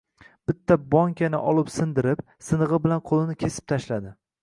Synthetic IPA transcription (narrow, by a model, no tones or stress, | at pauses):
b̥ɪt̪ʰːabɒŋkʲʰanɪ̰ʔɒlˠɪpsɪnd̪ɪɾɪp | sɪnɨʁɨbɪlanqʰolˠɪnɪkʲʰe̞sɪ̥p̚t̪ʰaʃlad̪ɪ